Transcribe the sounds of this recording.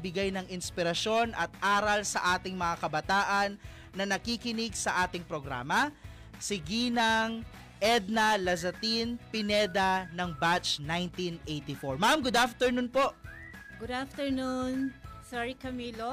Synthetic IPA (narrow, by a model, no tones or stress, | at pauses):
bɪɡajnɐŋɪnspɪɾɐʃo̞nʔɐt̪̚ʔaːɾɐlsɐʔaːt̪ɪŋmɐŋakɐbɐt̪aːʔɐnː | ɐnɐkikɪnɪɡsɐʔaːt̪ɪŋpɾoɡɾa̰ːmɐ | sɪɡiːnɐŋ | ʔɛd̪̚nɐlɐzɐt̪inpɪnɛd̪ɐnɐŋbat͡ʃnajnt̪inʔejt̪ifoɹmamɡʊd̪aft̪ɛɹnunpo̞ʔ | ɡʊd̪aft̪ɛɹnunsɛɹikɐmiːlo